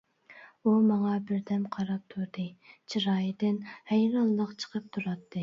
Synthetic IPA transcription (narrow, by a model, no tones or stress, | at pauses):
umɑŋɑbɪɾd̪ɛmqʰɑɾɑp̚t̪ʰuɾd̪ɨt͡ʃʰiɾɑːjd̪ɪnhæjɾɑnlˠəqt͡ʃʰə̥qʰəp̚t̪ʰuɾɑt̪ʰːɨ